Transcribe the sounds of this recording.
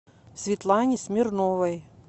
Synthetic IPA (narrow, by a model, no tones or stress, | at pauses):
sʲvʲɪt̪lˠanʲɪsʲmʲɪrnovɐj